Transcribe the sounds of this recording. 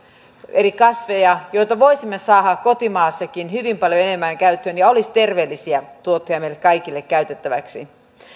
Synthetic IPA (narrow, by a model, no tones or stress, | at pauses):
elikɑsʋejɑjoit̪ɑʋoisimːesɑːhɑkkot̪imɑːsːɑkinhyʋimpɑljoenemːæŋkæyt̪ːønjɑolist̪erʋeːlːisiæt̪uot̪ːojɑmeilːekkɑikilːekkæyt̪et̪ːæʋæ̰ksḭ